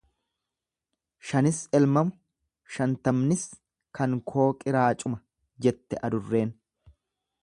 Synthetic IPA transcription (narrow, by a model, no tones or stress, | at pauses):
ʃɐnɪsɛlmɐmʊ | ʃɐnt̪ɐmnɪs | kʰɐŋkʰo̞ːkʼɪɾaːt͡ʃʼʊmɐ | d͡ʒɛt̪ːɛʔɐd̪ʊrːe̞ːn